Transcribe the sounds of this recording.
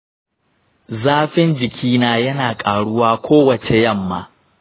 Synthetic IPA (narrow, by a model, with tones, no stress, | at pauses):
zaː˦ɸɪ˦nd͡ʒɪ˨kʲʰiː˦naː˦jɐ˦naː˨kʼaː˨ɽʊ˦waː˦kʷʰoː˦wɐ˨t͡ʃe˨jɐ˦˨mːa̰ː˦